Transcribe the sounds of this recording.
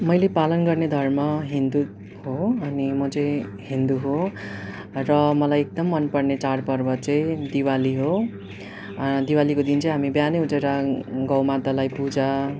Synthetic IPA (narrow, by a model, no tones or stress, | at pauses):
mʌjlepalʌnɡʌrned̪ʱʌrmʌɦind̪u | hoʌnimʌt͡sʌj̃ɦind̪uɦo | rʌmʌlajek̚d̪ʌmːʌnpʌrnet͡saɽpʌrbʌt͡sʌĩd̪iwaliɦo | d̪iwalikod̪int͡sʌ̃j̃ɦamibjaneut͡seɾaɡʌwmad̪alajpud͡za